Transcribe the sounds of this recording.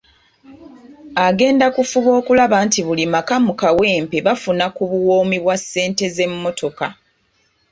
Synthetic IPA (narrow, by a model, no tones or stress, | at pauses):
aɡe̞ːndakufuβo̞ːkulaβantiβulimakamukawe̞ːmpe̞βafunakuβuwoːmiβwasːe̞ːnte̞ze̞mːo̞tʰo̞ka